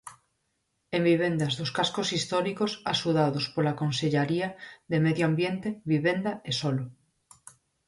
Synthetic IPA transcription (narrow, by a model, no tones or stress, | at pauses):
ẽmbiβ̞ẽ̞nd̪azðoskaskosist̪oɾikosasuðaðospolakõnseʎaɾiaðemeðjoambjent̪eβiβend̪aesolo